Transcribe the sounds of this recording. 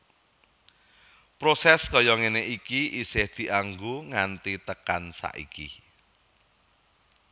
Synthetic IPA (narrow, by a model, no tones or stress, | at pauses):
pɾosɛskɔjɔŋeneʔikiʔisɪhd̪̥i̤ʔaŋɡoŋant̪it̪əkansa̰ʔḭkḭ